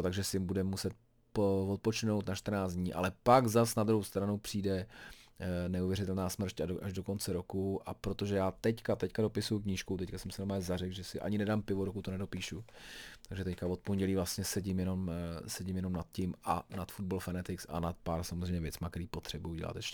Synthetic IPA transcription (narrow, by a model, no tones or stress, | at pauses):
t̪aɡʒɛsɪɪmbudɛmːusɛt̪̚ | povot̪̚pot͡ʃɪno̞wt̪naʃt̪r̩naːt͡sd̪ɲiːʔa̰lɛpaɡzasnad̪ɾuhɦowst̪ɾanupr̝̥iːdɛ | nɛuvjɛɾɪt̪ɛlnaːsmr̩caʔaʒdo̞ko̞nt͡sɛɾo̞kuʔapɾot̪o̞ʒɛjaːt̪ɛckat̪ɛckado̞pɪsujukɲiːʃkut̪ɛckasɛmsɪnomazarɛkɡʒɛsɪʔa̰ɲɪnɛdaːmpɪvoɾokut̪onɛdo̞piːʃut̪aɡʒɛt̪ɛckavot̪̚ponɟɛliːvlast̪ɲɛsɛɟɪmjɛno̞msɛɟɪmjɛno̞mnat̪̚cɪmʔa̰nat̪fud̪̚bolfɛnɛt̪ɪksa̰nat̪̚paːɾsamozrɛjmɲɛvjɛt͡smakt̪ɛɾiːpo̞t̪r̥ɛbujuɟɛ̰la̰t̪jɛʃcɛ